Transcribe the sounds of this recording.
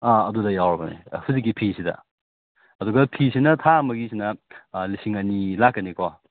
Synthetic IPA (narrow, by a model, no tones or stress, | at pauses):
aɐdudɐjawɾɐbɐnḭhuzik̬ːipʰisidɐ̰ | ɐduɡɐpʰisinɐtʰaɐmɐɡisʰinɐlisiŋɐnilakːɐniko